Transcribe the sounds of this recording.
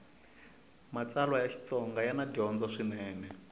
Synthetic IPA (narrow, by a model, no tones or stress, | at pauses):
mat͡salwajaʃi̥t͡sɔŋɡajanaɟɔnd͡zɔʂinɛːnɛ